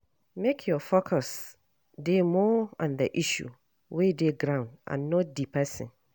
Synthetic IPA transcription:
mekʰjɔfokʰɔs | demɔɔ̃ndəʔiʃṵ | wedeɡɾãʊ̃ndʔã̰nːɔ̃t̚dipʰɛsɪ̰̃n

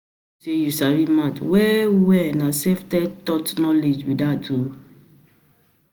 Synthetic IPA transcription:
sejusaɾimãtwɛwɛnãsɛftɛtɔtnɔled͡ʒwidatu

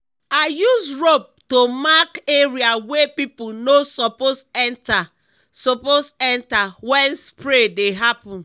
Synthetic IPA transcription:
ajusɹop̚tomakeɹiawepipunosɔposɛ̃nta | sɔposɛ̃ntawɛ̃nspɹedeɦapɔ̃n

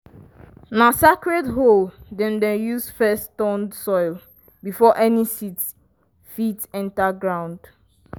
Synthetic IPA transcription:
nasakɹɛdɦoldɛ̃ndɛ̃jusfɛstɔ̃ndsɔɪl | bifɔʔɛnisit | fitɛ̃ntaɡɹãʊ̃nd̥

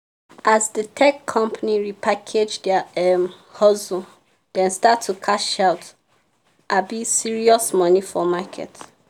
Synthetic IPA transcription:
ʔazdətʰɛkʰːɔ̃mpʰaniɹipʰakʰed͡ʒdɛɛm | hɔzu | d̥ɛ̃nstatʰːukʰaʃaʊt | ʔabisiɹiɔsmɔnifɔmakʰɛ̰t

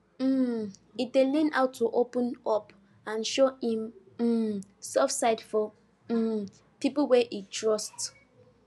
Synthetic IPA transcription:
m̩itdelɛ̃na̰wtʰːuʔopə̃nɔp | ãnʃoĩm̩ | sɛfsaɪdfɔ | pipolwɛʔitʰɹɔst

